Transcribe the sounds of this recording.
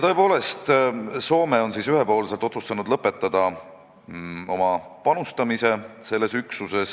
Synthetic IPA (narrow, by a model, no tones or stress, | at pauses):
jt̪ɤ̞epo̞ːle̞st̪so̞ːme̞o̞nsiːsyɦepo̞ːlselt̪ːˑo̞t̪sust̪ɑnud̪lɤpːˑe̞t̪ːˑɑd̪̥ɑ | o̞̰mɑpɑnust̪ɑmise̞se̞lːe̞syksuse̞s